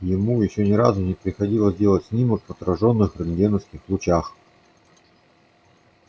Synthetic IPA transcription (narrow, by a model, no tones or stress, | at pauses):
jɪmujɪɕːonʲɪɾazʊnʲɪpɾʲɪxɐdʲilˠəzʲdʲe̞lˠətʲsʲnʲiməkpɐt̪ɾɐʐonːɨxrɨnɡʲenəskʲɪxlˠʊt͡ɕax